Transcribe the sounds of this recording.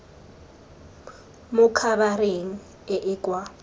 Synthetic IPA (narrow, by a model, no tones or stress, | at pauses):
mʊkʰaβaɾeŋ̩ | ɪʔɪkʼwa